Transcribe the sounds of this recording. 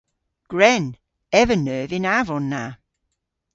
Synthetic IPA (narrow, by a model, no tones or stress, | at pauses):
ɡ̥ɹɛn | ɛvənøːvɪnavɔnːa